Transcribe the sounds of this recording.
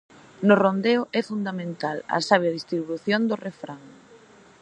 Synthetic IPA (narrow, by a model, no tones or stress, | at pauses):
nʊrond̪eʊʔɛfund̪amẽnt̪alɐ̰saβ̞jaðist̪ɾiβuθjond̪orefɾaŋ